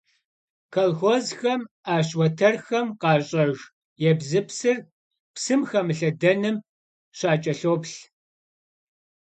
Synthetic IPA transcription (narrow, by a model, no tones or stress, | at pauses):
kʰɐlxɔzxɐm | aːɕ̬wɐtʰɐrxɐmqɑːɕʼɐʒʷ | jɛbzɨpsɨr | psɨmxɐmɨɬɐdɐnɨm | ɕaːt͡ʃʼɐɬoːpɬ